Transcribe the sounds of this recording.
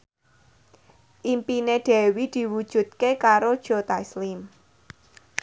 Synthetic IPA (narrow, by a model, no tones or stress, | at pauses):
ʔimpineɖ̪̥ɛ̤wid̪̥i̤wud̥ʒ̥ṳt̪̚kekaɾod̥ʒ̥o̤t̪aislim